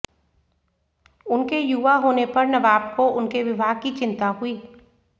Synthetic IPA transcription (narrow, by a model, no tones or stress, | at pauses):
ʊnkejuʋaɦoːnepɐɾnɐbaːb̚koʔʊnkeʋɪbʱaːɡ̚kit͡ʃɪ̃nt̪aɦʊiː